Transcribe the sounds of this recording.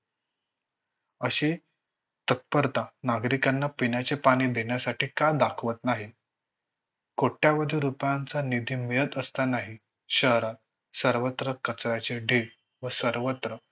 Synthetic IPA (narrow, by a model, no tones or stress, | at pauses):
əɕe | t̪ət̪̚pəɾt̪anaɡɾikanːapinjat͡sepaɽ̃iːd̪eɳjasaʈiːkad̪akʰʋət̪naɦi | koʈjaʋəd̪ʱiɾupjant͡sanid̪ʱiːmiɾət̪əst̪anaɦi | ɕəɦɾat̪̚ | səɾʋət̪ɾəkət͡sɾjat͡seɖʱiɽ | ʋəsəɾʋət̪ɾə